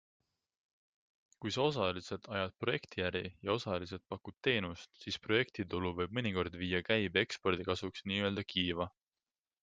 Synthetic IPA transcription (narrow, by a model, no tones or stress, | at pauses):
kujsɑo̞s̬ɑlise̞d̪̥ɑjɑd̪̥̚pro̞je̞kt̪ijæɾijɑo̞sɑliset̪̚pɑkːud̪̥̚t̪e̞ːnust̪siːspro̞je̞k̚t̪id̪uluvɤjb̥̚mɤnʲiko̞rd̪̥viːjɑkæjbe̞kspo̞rd̪̥ikɑsuksniːø̞ld̪̥ɑkʰiːvɑ